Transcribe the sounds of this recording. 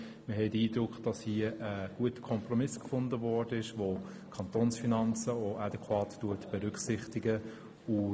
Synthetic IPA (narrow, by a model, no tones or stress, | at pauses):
məɦɛtiːdɾʊkχd̥ɑshiəʔəɡ̥uətə̥kʰɔmprɔmɪskfʊndəvɔd̥əɪʃvo | kʰɑntoːnsfinɑnt͡səoʔɑdɛkʰwɑːttuətb̥ɛɾʏkχsɪχtɪɡə | ʊ